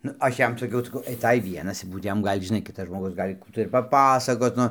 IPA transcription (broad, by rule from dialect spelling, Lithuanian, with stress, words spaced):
nʊ ˈɐʃ ˈjɛm sɐˈkʲɛʊ sɐˈkɐʊ ɐɪˈtɐɪ ˈʋʲiɛnɐs ˈbuːt ˈjɛm ˈɡɐlʲ ʒʲɪˈnɐɪ ˈkʲɪtɐs ʒmoːˈɡʊs ˈɡɐlʲ ˈkuː tɐɪ ɪr pɐˈpɑːsɐkoːt ˈnʊ